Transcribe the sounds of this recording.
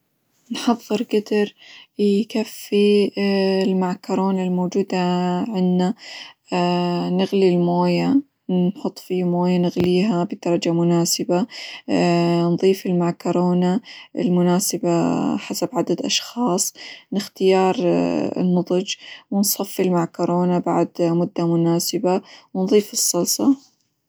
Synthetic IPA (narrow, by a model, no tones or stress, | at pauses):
nħɑðˤːɨɾɡad̪ɪɾ | kafːi | ɪlmaʕkɑɾˤoːnalmoːd͡ʒuːd̪aʕɪnːa | nɪɣlilmoːja | nħʊt̪ˤːfiːmoːjanɪɣliːɦabɪd̪̥ɑɾˤɑd͡ʒamʊnaːsɪba | nðˤiːfɪlmaʕkoɾˤoːnaʔɪ̰lmʊnaːsɪbaħasabʕad̪ad̪ʔɑʃxɑːsˤnɪxt̪ɪjɑːɾˤɪ̰nːɑðˤɨd͡ʒwɪnsˤɑfːɪlmaʕkoɾoːnaba̰ʕd̪mʊd̪ːamʊnaːsɪbawnðˤiːfɨsˤːɑlsˤɑ